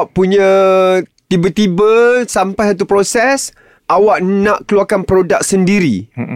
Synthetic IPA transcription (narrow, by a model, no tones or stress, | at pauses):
ʔpuɲã | t̪ibət̪ibəsampajsat̪̬upɾosɛs | ʔawaʔnãʔkəluakanpɾodak̚səndiɾi